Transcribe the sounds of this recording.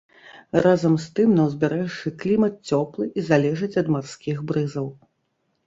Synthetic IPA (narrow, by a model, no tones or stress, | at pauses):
razɐmst̪ɨmnɐwzʲbʲɛɾɛʂɨklʲimɐt̪̚t͡sʲɔplˠɨʔizalʲɛʐɨt͡sʲɐd̪marskʲiɣbɾɨzɐw